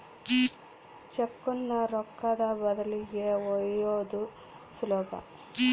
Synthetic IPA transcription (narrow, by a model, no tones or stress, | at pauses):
t͡ʃekːunːɐɾɔkːɐd̪ɐbɐd̪ɐlijeɔjoːd̪u | slɔːɡɐ̰